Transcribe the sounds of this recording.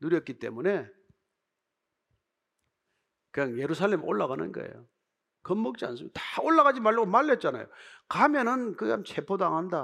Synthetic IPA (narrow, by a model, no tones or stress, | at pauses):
nuɾjʌt̚k͈it͈e̞mune̞ | kɯɲaŋje̞ɾus̬ʰaɭlːemoɭːaɣanɯ̰nɡʌ̰ḛjo̰ | kʌmːʌk̚t͡ɕ͈ia̰ns̬͈ʰɯmtḁoɭːaɣad͡ʑimaɭːɯɡomaɭːet̚t͡ɕ͈ana̰jokamjʌnɯnkɯamt͡ɕʰe̞pʰodaŋɦanda